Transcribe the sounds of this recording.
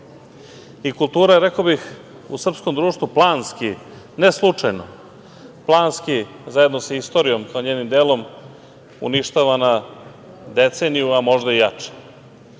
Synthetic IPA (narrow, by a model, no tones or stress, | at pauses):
ikulˠt̪uːɾaɾekobix | ṵsr̩psko̞md̪ɾuːʂt̪ʋuplˠaːnski | neslˠut͡ʂajno̰ | plˠaːnski | zaje̞d̪no̞saist̪o̞ːɾijo̞mkao̞ɲeːnimd̪eːlo̞m | ṵniʃt̪aʋana | d̪e̞t̪senijuamo̞ʒd̪aijat͡ʃe̥